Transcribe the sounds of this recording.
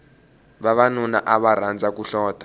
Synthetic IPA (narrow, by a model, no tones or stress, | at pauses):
βaβanuna̰ʔaβaɾ̤and͡zʱakuɬɔːtḁ